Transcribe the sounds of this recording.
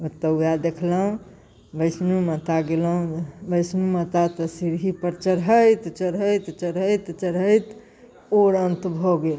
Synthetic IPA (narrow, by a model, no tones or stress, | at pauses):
ot̪əujad̪ekʰləɦũ | bəɪsnumət̪aɡeləɦũbəɪsnumət̪at̪əsiɾɦipəɾt͡ʃəɽɦəjt̪t͡ʃəɽɦəjt̪t͡ʃəɽəjt̪t͡ʃəɽəjt̪ | oɾənt̪bʱoɡel